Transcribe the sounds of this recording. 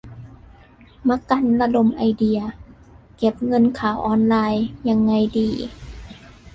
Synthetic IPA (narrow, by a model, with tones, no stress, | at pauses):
ma˧ka˧˨nla˧do˧˩mʔa˧jdi˧ɐ | ke˧˦p̚ŋɤ˧˥˨nkʰaː˨˩˦wʔɔː˧nlaː˧jɲa˧ŋːa˧jdiː˧˩